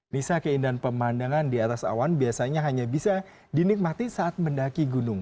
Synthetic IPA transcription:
nisakəindanpəmandaŋandiat̪asa̰wanbiasaɲaɦaɲabisa | dinɪk̚mat̪isaʔat̪̚məndakiɡunʊŋ

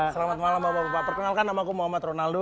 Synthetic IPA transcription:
səlamat̪̚malambabaɾupat̪ərkənalkanːamakumuɦamat̪ronaldo

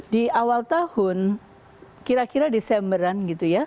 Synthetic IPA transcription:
diawalt̪ahʊn | kiɾakiɾadesɛmbəɾanɡit̪uja

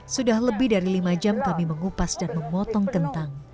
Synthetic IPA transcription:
sudahləbɪhdaɾilimad͡ʒamkamiməŋupasdanməmɔt̪ɔŋkənt̪aŋ

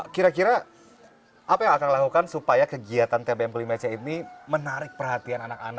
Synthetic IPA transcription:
kiɾakiɾa | ʔapajaŋakaŋlakukansupajakəɡiat̪ant̪ebeɛmklimat͡ʃainimənaɾɪk̚pərɦat̪iananaka̰na

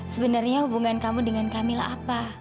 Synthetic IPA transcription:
səbənarɲahubuŋankamudəŋankamila̰apa

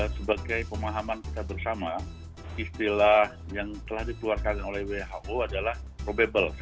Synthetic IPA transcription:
səbaɡajpəmaɦamanki̥t̪abərsama | ist̪ilahjaŋt̪əlahdikəluarkannolɛhweɦaʔoadalahpɾobebəls

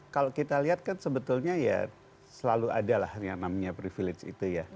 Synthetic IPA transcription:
kalokit̪aliɦat̪̚kansəbət̪ulɲaja̰ | səlalua̰dala̰hjaŋnamaɲapɾifilɪt͡ʃḭt̪uja

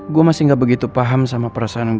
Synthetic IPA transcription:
ɡuamasiŋɡabəɡit̪upaɦamsamapəɾasaʔanŋɡ

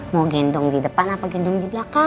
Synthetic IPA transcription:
moɡind̪uŋd̪id̪əpanapaɡind̪ʊŋd̪iblaka

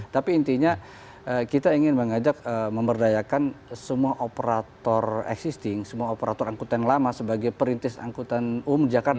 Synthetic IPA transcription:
t̪apiːnt̪iɲa | ʔəkit̪aiŋɪnməŋad͡ʒak̚əməmbərdajakansəmuaʔopəɾat̪ɔrɛ̰ksist̪ɪŋsəmuaopəɾat̪ɔɾaŋkut̪anlamasəbaɡajpəɾint̪ɪsa̰ŋkut̪anumdid͡ʒakar

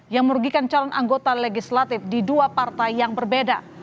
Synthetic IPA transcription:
jaŋməɾuɡikant͡ʃalɔnʔaŋɡot̪aleɡislat̪ɪfdiduapart̪ajjaŋbərbeda

